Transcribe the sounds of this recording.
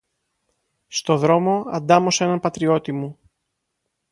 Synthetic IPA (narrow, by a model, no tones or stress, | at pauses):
st̪o̞ðɾo̞mo̞ɐ̰nd̪ɐmo̞se̞nɐnpɐt̪ɾio̞t̪imu